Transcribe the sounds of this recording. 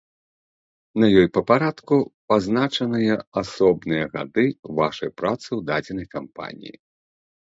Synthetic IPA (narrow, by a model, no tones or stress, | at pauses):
nɐjɔjpɐpaɾat̪kupaznat͡ʂɐnɨjɐasɔbnɨjɐɣa̰d̪ɨvaʂɐjpɾat̪sɨwd̪ad͡zʲɛnɐjkampa̰nʲḭjḭ